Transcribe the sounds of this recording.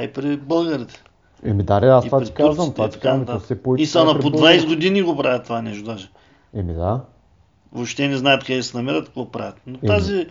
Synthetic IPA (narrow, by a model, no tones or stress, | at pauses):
ipɾɛbəlˠɡɐɾit̪ɛ̥ | ɛmid̪aɾɛastivaɾikazvəmt̪vat̪ɐ̥kamt̪aasɛpoiisanɐɾpod̪vajsɛɡod̪iniɡopɾavət̪ːvanɛʃt̪od̪aʒɪ | ɛmid̪a | voʃt̪ɛnɛznaɛt̪kad̪ɛsɛnɐmɛɾət̪kɐ̥kvopɾa̰vət̪not̪azi